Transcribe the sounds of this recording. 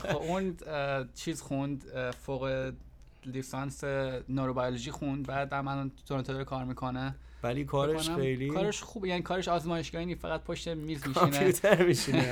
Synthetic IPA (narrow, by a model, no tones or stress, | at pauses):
xoun | t͡ʃʰiːzxund̪foɣe | lisɑnsenoɾobɒjoloʒiːxund̪væd̪æɾmænd̪oɾent̪ʰeɑːɾikʰɒːɾmiːkʰone | vælikʰɒːɾeonæejlikɒːɾeʃxuːbejæːniːkʰɒːɾeʃɒːzmɒːjeʃɡɒːhinifæɣæt̪̚pʰoʃt̪emiːzmiːʃinet̪æɾmiʃie